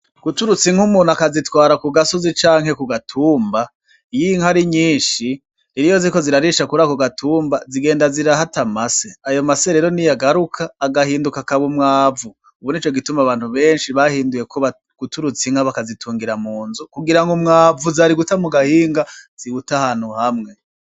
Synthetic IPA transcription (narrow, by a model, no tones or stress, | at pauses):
ɡ̥utuɾut͡siŋ̥umuːn̤akazitwaːɾakuɡaso̞zit͡ʃaːŋɦe̞kuɡatʰuːmba | jiŋhaɾiɲiːnʃi | iɾijo̞ziko̞ziɾaɾiʃakuɾakuɡatʰuːmbaziɡe̞ːndaziɾaɦatamaseajo̞maseɾe̞ːɾo̞nijaɡaɾukʰaːɡahiːndukakaβumŋaːvu | uβuniːt͡ʃoɡitumaβaːn̥huβe̞ːnʃiβahiːnduje̞kʰoβa | ɡ̥utuɾut͡siŋaβakazitʰuːŋɡiɾamuːnzukuɡiɾaŋɡumŋaːvuzaɾiɡutamuɡahiːŋɡaz̥iɡutahaːn̥huhamŋe̞